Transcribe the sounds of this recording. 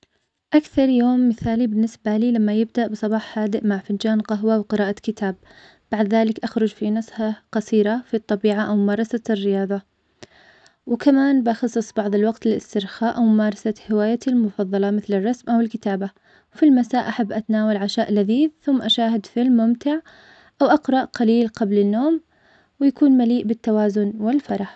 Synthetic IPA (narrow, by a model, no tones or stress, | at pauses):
ʔakθɑɾˤjoːmːɪθaːlibɪnːɪsbaliːlamːajɪbd̪aʔbɨsˤɑbɑːħhaːd̪ɪʔmaʕfɪnd͡ʒaːnqɑɦwawqɨɾɑːʔakɪt̪ʰaːb̥̚ː | aʕd̪ðaːlɪkʔaxɾʊd͡ʒfinashaqɑsiːɾafit̪ˤːɑbiːʕaʔawmʊmɑːɾˤɑsarːɪjɑːðˤɑ | wɪkamaːnbʔɑxɑsˤːɨsˤbɑʕðˤɪlwɑɡt̪ɪlɪ̰st̪ɪɾxaːʔawmʊmɑːɾˤɑsahɪwaːjalmʊfɑðˤːɑlɑmɪθlɪrˤːɑsmʔawɪlkɪt̪aːba | wfilmasaːʔaħabːʔat̪anaːwalʕaʃaːʔlaðiːðθʊmːʔaʃaːɦɪd̪filmʊmt̪ɪʕ | ʔawʔɑqɾˤɑʔqaliːlqɑblɪnːoːm | wɪjakuːnmaliːʔbɪt̪ːawaːzʊnwɪlfɑɾˤɑħ